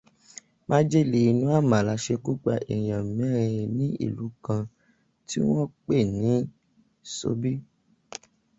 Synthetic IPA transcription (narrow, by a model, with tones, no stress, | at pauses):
mã˦d͡ʒe˦˨le˧˨i˧nũ˦a˦˨mã˨la˧ʃe˧ku˦k͡pa˧ʔe˨j̃ã˨m̩˨mɛ̃˨˦˨ɾĩ˧nĩ˦ḭ˦˨lu˨˦kã˧ | ti˦w̃ɔ̃˦k͡pe˦˨nĩ˨˦ | so̰˧˦bi˦